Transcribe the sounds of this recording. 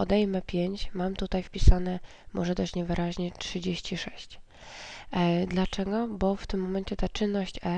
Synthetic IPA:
ɔd̪ɛjmɘpʲjeɲt͡ɕmamt̪ut̪ajfpʲisanɛ | mʔɔʐɛd̪ɔɕt͡ɕɲɛvɘɾʔaʑɲɛtʂɘd͡ʑeɕt͡ɕiʂɛɕt͡ɕ | d̪lat͡ʂɛɡɔbɔft̪ɘmːɔmɛnt͡ɕɛt̪at͡ʂɘnːɔɕt͡ɕɛ

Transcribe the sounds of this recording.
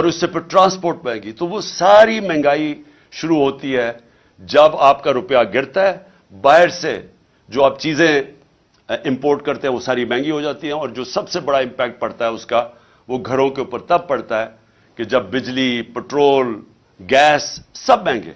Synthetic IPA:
ɔːɾʊsːepʰɪɾʈɾãːspoːɾʈ̚mɛ̃ːŋɡit̪oʋosaːɾimɛ̃ːŋɡaːi | ʃʊɾuɦoːt̪iɦɛː | d͡ʒɐbaːpkaɾʊpjaɡɪɾt̪aɦɛː | baːɦɪɾsḛ | d͡ʒoːaːpt͡ʃiːzẽ | ɪ̃mpoːɾʈ̚kɐɾt̪ẽɦɛ̃ʋosaːɾimɛ̃ːŋɡiɦod͡ʒaːt̪iɦɛ̃ɔːɾd͡ʒoːsɐbsebɐɽaɪ̃mpɛːk̚ʈ̚pɐɽt̪aɦɛʊska | ʋoːɡʱɐɾõkeʊpəɾt̪ɐb̚pɐɽt̪aɦɛː | ked͡ʒɐbːɪd͡ʒlipɛʈɾoːl | ɡɛːsːɐbmɛ̃ːŋɡḛ̃ː

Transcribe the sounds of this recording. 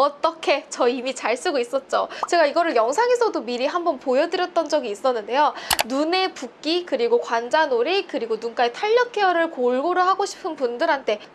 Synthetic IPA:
ʌt͈ʌkʰe̞t͡ɕʌimit͡ɕaɭs͈uɡois͈ʌt̚t͡ɕ͈ot͡ɕe̞ɡaiɡʌɾɯɭjʌŋsʰaŋe̞sʰʌdomiɾiɦambʌnpojʌdɯɾjʌt̚t͈ʌnd͡ʑʌɡiːs͈ʌnːɯnde̞jonune̞puk̚k͈ikɯɾiɡokwand͡ʑanoɾikɯɾiɡonunkaetʰaʎːʌk͈ʰeʌɾɯɭkoɭɡoɾɯhaɡoɕʰi̥pʰɯnpundɯɾɦantʰe̞

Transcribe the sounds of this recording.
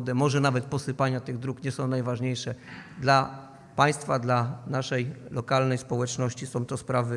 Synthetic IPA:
d̪ɛmɔʐɛnavɛt̪̚pɔsɘpaɲat̪ɘɣd̪ɾukɲɛsɔ̃w̃najvaʐɲejʂɛd̪la | paj̃st̪fad̪lanaʂɛjlɔkalnɛjspɔwɛt͡ʂnɔɕt͡ɕisɔ̃w̃t̪ɔspɾavɘ

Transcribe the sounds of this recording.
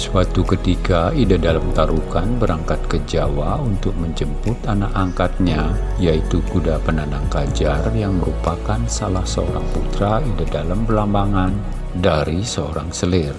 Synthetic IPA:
suat̪ukət̪ikaidadalamt̪aɾukanbəɾaŋkat̪̚kəd͡ʒawaunt̪ʊk̚məɲd͡ʒəmpʊt̪anakaŋkat̪̚ɲa | jait̪ukudapənanaŋkad͡ʒarjaŋməɾupakansalahsəo̰ɾaŋput̪ɾaidadalampəlambaŋan | daɾisəo̰ɾaŋsəlɪr

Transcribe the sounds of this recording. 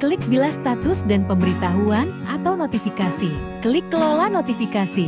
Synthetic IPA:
kəlɪk̚bilahst̪at̪ʊsdanpəmbəɾit̪aɦuanʔat̪awnot̪ifikasi | kəlɪkːəlolanot̪ifikasi

